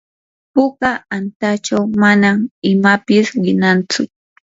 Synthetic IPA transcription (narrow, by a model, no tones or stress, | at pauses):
pʊkaant̪at͡ʃawmanamɪmapɪsɢɪnant͡sʊ